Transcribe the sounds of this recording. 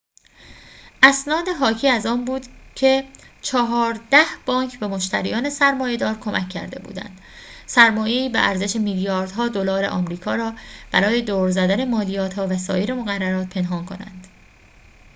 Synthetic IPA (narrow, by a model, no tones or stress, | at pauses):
ʔæsnɒːd̪eɦɒːcʰiːæzɒːnbuːd̪̥cʰe̞t͡ʃʰɒːɦɒːɾd̪æhb̥ɒːŋkʰbe̞mo̞ʃt̪æ̰ɾḭjɒːne̞sæɾmɒːje̞d̪ɒːɾkʰo̞mʔæcʰːæ̰ɾd̪e̞̰bṵːd̪æ̰nd̪̥ | sæɾmɒːje̞iːbḛʔæɾzeʃe̞miljɒːɾd̪̥hɒːd̪o̞lɒːɾe̞̰ʔɒ̰ːmɾiːkʰɒːɾɒːb̥æɾɒːje̞d̪oːɾzæd̪æne̞mɒːlijɒːt̪hɒːvæsɒ̰ːjeɾe̞mo̞ɣærːæɾɒːt̪̚pʰe̞nɦɒːnkʰo̞næ̰nd̪̥